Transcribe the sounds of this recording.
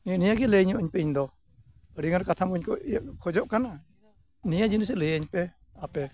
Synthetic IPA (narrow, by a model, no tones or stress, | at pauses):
nijaɡɛləɲɔʔəɲpɛiɲd̪ɔ | əɾiŋanɾkat̪ʰamkəɲkɔkʰɔd͡ʒɔʔkana | nijad͡ʒinisɛləjəɲpɛ | apɛ